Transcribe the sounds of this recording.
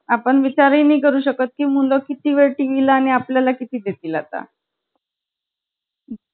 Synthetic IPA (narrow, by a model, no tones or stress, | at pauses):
apəɳʋit͡ɕaɾiːniːkəɾuːɕəkət̪̚kiːmulokit̪iːʋeɭʈiːʋilaːɽ̃iapljalakit̪iːd̪et̪iːlat̪a̰